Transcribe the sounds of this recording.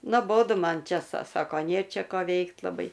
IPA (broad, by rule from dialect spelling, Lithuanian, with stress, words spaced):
noːˈboːdʊ ˈmɐn ˈt͡ʃʲɛ sɐ ˈsɑːkoː nʲeː ˈt͡ʃʲɛ ˈkoː ˈʋʲɛɪkt lˠɐˈbɐɪ